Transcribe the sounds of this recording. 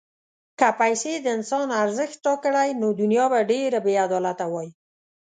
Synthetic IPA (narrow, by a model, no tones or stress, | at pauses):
kapajsed̪əɪnsɑnaɾzəxt̪̚ːɑkəɽajnod̪ʊnjɑbaɖeɾabead̪ɔlat̪awɑji